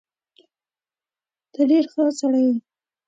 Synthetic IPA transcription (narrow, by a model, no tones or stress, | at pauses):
d̪̥əɖeɾxəsaɽajwi